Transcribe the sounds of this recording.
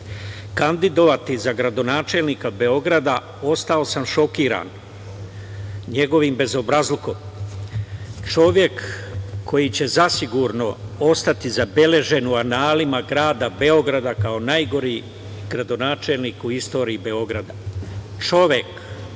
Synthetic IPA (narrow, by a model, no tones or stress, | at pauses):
kand̪id̪o̞ʋat̪izaɡɾad̪o̞naːt͡ʃe̞lnikabe̞o̞ɡɾad̪a | o̞st̪ao̞samʃo̞kiːɾa̰n | ɲe̞ɡo̞ʋimbe̞zo̞bɾazlˠiko̞m | t͡ʃo̞ʋje̞kːʰ | o̞jit͡ɕe̞zasiɡuɾno̞o̞st̪at̪izabe̞le̞ʒe̞nuanaːlimaɡɾaːd̪abe̞o̞ɡɾad̪akaonajɡo̞ɾiː | ɡ̥ɾad̪o̞naːt͡ʃe̞lniːkuist̪o̞ːɾiːbe̞o̞ɡɾad̪a | t͡ʃo̞ʋje̞k